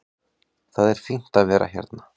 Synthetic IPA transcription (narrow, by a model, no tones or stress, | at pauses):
θaðɛɾ̥fiŋn̥t̪aðvɛːɾʔa̰çja̰ɾt̪na